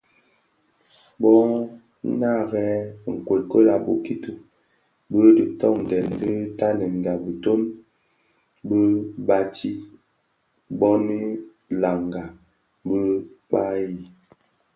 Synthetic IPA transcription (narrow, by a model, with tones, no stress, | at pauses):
bɔ˦ | na˦˨ɣɛ˦˨ŋ̩˨kwe˨kə˦la˨bo˦ki˦tu˨ | bə˦di˨tɔ˦˨ŋ˨dɛ˨ndə˦ta˦nɛ˨n˨ɡa˨bə˨to˦n | bə˦ba˦tʰi˦ | bɔ˦ni˦ | la˨ŋɡa˨ | bə˦k͡pa˦ji˨